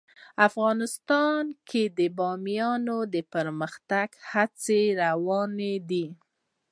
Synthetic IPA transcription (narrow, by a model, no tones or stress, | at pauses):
afɣɑnɪst̪ɑnkʰed̪əbɑmjɑnod̪əpəɾməxt̪aɡhat͡seɾawɑned̪i